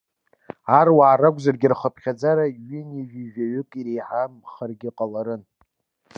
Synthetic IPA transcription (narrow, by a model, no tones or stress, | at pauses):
arwaːɾaɡʷzarɡʲɪrχəpʰχʲad͡zaɾaɥɪniʒiʒᶣaɥʏkʼiɾejħamχərɡʲɪqʼalaɾɨn